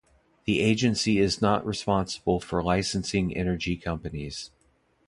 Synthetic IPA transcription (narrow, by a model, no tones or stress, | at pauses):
ðiʔeɪd͡ʒɨ̃nsiɪznəʔɹʔɨspɑ̃nsə̥bl̩ˠfə˞laɪsn̩sɪ̃ŋɛ̰nə˞d͡ʒikʰʌ̃mpɨniz̥